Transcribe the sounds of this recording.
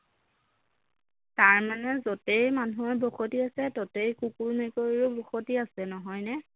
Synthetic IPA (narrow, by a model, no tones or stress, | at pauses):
taɹmanɛzotejmanuɔɹbɔxotiasɛtotejkukulmɛkoɹiɹʊbɔxotiasɛnɔɦɔjnɛ